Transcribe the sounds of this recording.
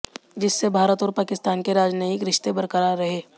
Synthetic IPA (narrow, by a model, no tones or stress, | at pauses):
d͡ʒɪsːebʱaːɾət̪ɔːɾpaːkɪst̪aːnkeɾaːd͡ʒnəɪkɾɪʃt̪ebɐɾkəɾaɾɾɐɦeː